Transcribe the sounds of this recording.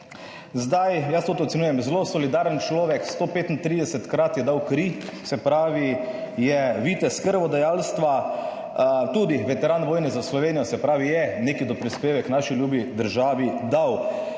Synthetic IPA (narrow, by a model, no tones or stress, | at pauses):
zd̪ajjast̪oːt̪oɔt̪sɛnuːjɛmzɛlosɔlid̪aːɾənt͡ʃlɔːʋɛkst̪oːpeːt̪int̪ɾiːd̪ɛsɛt̪kɾat̪jɛd̪awkɾisɛpɾaːʋijɛʋiːt̪ɛskəɾʋɔd̪ajaːlst̪ʋa | t̪uːd̪iʋɛt̪ɛɾaːnʋoːjnɛzaslɔʋeːnijɔsɛpɾaːʋijɛneːkid̪ɔpɾispeːʋɛknaːʃiljuːbid̪əɾʒaːʋid̪aw